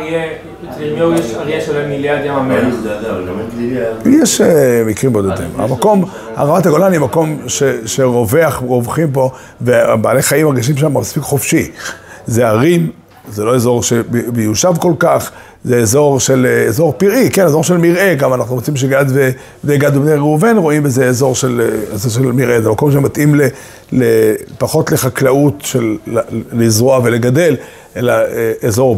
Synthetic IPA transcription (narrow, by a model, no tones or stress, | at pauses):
je | mojeʃjeʃovemiljaʁd̪emame | jeʃemikʁimbod̪od̪ḛma̰mako̞m | ha̰ʁamat̪aɡolanimako̞mʃeʃe̞ʁove̞aχʁovχimpo̞ | vebaːleχaimaʁɡiʃ̬imʃ̬ammaspikχofʃizeaʁim | zelo̞ezo̞ʁʃebbejuʃavko̞lkaχ | zeezo̞ʁʃelezo̞ʁpiʁikenezoʁʃelmiʁe̞ɡamanaχnuot͡simʃ̬eɡadve | dejɡadubneʁeuvenʁo̞imbezeːzo̞ʁʃelezoʁʃ̬elmiʁʔezemako̞mʃ̬ematʔimle | lepaχo̞t̪le̞χaklautʃelː | izʁoaveleɡade̞l | ʔe̞laeezo̞